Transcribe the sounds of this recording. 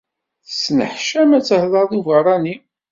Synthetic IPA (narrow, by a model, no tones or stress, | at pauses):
θəsnə̰ħʃæmæt͡sːəhðˤɑɾðuvəɾˤɑni